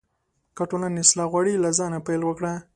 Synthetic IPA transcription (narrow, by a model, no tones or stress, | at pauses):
kaʈonanɪslɑɣwaɽilazɑnapajlwəkɽa